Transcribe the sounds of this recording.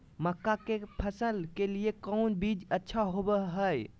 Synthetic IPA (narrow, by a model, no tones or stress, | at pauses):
məkːakepʰəsəlkeliekəʊnbid͡ʒətːʃʰaɦobəɦəj